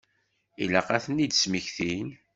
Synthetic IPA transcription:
ilæqæθənːid̪sməçθin

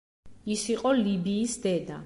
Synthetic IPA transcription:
isiqʼɔlibiːsd̪ɛd̪a

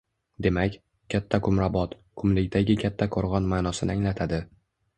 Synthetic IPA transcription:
d̪e̞makʲ | kʲʰat̪ʰːakʰʊmɾabɒt̪ | kʰʊmlɪkʲd̪aɡʲɪkʲʰat̪ʰːaqʰoɾʁɒnmanɒsɪnɪaŋlat̪ʰad̪ɪ

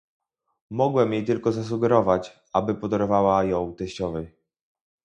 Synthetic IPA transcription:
mɔɡwɛmjejt̪ɘlkɔzas̬uɡɛɾɔvat͡ɕ | abɘpɔd̪ɔɾɔvawajɔ̃w̃t̪ɛɕt͡ɕɔvɛj

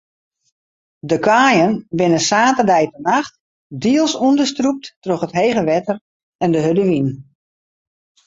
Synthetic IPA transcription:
dəkʰaːjənbɪnəsaːtərdɛjtənaxt | diəlˠsundəstrup̚ttroxətɦejɣəʋɛtər | ɛndəɦødəʋin

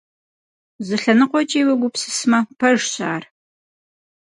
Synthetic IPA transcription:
zɨɬɐnɨqʷɔt͡ʃʼeːwɐɡʷʊpsɨ̥smɐpʰɐʒɕa̰ːr

